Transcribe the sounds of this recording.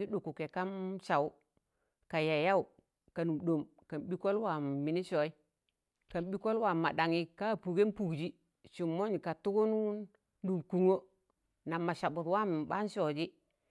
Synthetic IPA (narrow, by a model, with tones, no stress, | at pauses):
i˦du˨ku˨ke˨ka˦nʃa˨wu˦ | ka˨ja˨ja˦wu˨ | ka˨nu˨mdo˨m | ka˨nbi˦ko˦lwa˨mi˨ni˦ʃo˨i˦ | ka˨mbi˦ko˦lwa˨ma˨da˨ŋi˦ka˦˨pu˨ɡe˦n˦pu˨ɡd͡ʒi˦ | ʃu˨mːo˦ɲ˨ka˨tu˦ɡu˦nu˦ | du˨mku˨ŋo˦ | na˨mːa˨ʃa˨bu˨twa˦m˨ba˦n˦ʃɔ˨d͡ʒi˦